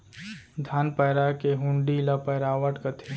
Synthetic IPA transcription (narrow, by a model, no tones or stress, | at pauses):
d̪ʱaːnpəjɾakeɦʊ̃ɳɖilapɐjɾaːʋəʈkɐt̪ʰe